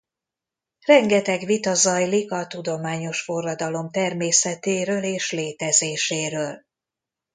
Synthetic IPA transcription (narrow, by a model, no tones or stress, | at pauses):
rɛŋɡɛt̪ɛɡʋit̪ɒzɒjlikɒt̪ud̪o̞maːɲo̞ʃfo̞rːɒd̪ɒlo̞mt̪ɛrmeːsɛt̪eːɾøːleːʃleːt̪ɛzeːʃeːɾøːl